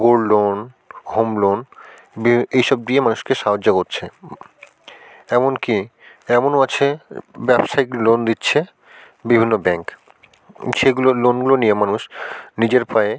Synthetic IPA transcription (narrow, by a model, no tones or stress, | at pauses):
ɡoɽlon | ɡʱomlon | biejʃɔb̚d̪iemanuʃkeʃaɦod͡ʑːakoɾt͡ɕʰe | ɛmonki | ɛmonoat͡ɕʰebɛbʃailond̪itːɕʰe | bibʱinːobɛŋk | ʃeɡulolonɡuloniemanuʃnid͡ʑeɾpae